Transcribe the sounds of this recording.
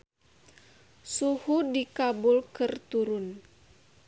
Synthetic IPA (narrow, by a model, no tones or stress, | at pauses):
suhudikabʊlkərt̪uɾʊn